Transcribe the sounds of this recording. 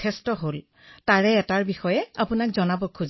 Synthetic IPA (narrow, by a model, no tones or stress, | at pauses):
ɛstɔɦol | taɹɛːtaɹbixɔjɛapʊnakzɔnabɔkʰːuz